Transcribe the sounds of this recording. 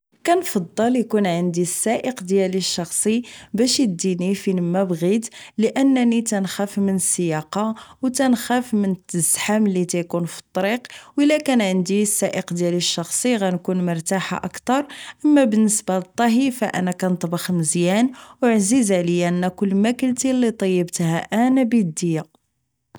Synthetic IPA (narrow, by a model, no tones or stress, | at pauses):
kænfɑd̪ˤːɑljkunʕənd̪isːæʔəqd̪jæliʃːɑxsˤibæʃəd̪inifinəmːæbɣid̪ləʔənːnit̪ænxæfmənəsːəjɑqɑwt̪ænxæfmənət̪ːəzħamlit̪æjkunfi̥t̪ˤːɑɾiqwəlːækænʕənd̪isːæʔəqd̪jæliʃːɑxsˤiɣænkunmʊɾˤt̪aħa̰ʔəkt̪ɑɾˤʔəmːæbənːəsbalət̪ˤːɑɦifæ̰ʔæ̰nækænt̪ˤbɑxməzjænwʕzizʕləjænːækʊlːmækəlt̪ilːit̪ˤɑjːəbt̪hæʔænæbid̪ːəjːa